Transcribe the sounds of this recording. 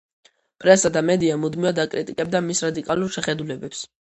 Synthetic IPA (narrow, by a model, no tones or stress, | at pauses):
pʼɾɛsad̪amɛd̪iamud̪mivad̪akʼɾit̪ʼikʼɛb̚d̪amisɾad̪ikʼaluɾʃɛχɛd̪ulɛbɛps